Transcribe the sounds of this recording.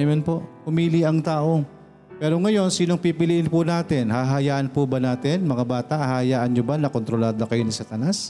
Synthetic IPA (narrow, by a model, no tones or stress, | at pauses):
jonpo̞ʔhʊmiːliʔɐŋt̪aːʔo̞ | pɛːɾo̞ŋɐjo̞nsiːnoŋpipɪliʔɪnpʊnaːt̪ɪnhaɦɐjaːʔɐnpʊbɐnaːt̪ɪnmɐŋabaːt̪ɐʔhɐjaːʔɐnɲobɐnɐkont̪ɾo̞laːd̪okɐjo̞nɪsat̪ɐnas